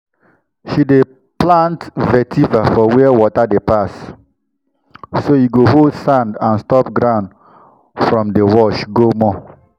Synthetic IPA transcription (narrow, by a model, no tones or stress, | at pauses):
ʃide | plãntvɛtʰivafɔwɛɛwɔtadepas | soiɡoɦoldsãndãnstɔpɡɹãnd | fɹɔ̃mdewɔʃɡomɔ